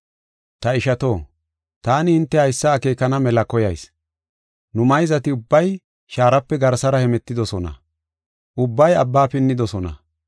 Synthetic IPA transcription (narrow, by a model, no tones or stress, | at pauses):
t̪ɐɪʃɐt̪o̞ː | t̪aːnɪhɪnt̪ːɛhɐjsːɐːke̞ːkɐnɐmɛlɐkɔjɐjs | nʊmɐjzɐt̪ɪʊbːɐj | ʃaːɾɐpːɛɡɐɾsɐɾɐhɛmɛt̪ːɪd̪ɔsɔnɐ̰ | ʔʊbːɐjɐbːaːpɪnːɪd̪ɔsɔnɐ̰